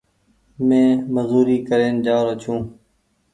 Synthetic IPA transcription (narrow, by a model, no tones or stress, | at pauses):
mẽːməzuːɾiːkəɾeːnd͡ʒaːɾət͡ʃʰũː